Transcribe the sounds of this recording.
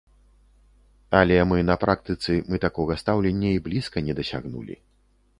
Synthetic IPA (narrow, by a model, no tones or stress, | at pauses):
ɐlʲɛmɨnɐpɾʔakt̪ɨt̪sɨmɨt̪akɔɣɐst̪awlʲenʲːɐiblʲiskɐnʲɛd̪ɐsʲa̰ɣnṵlʲḭ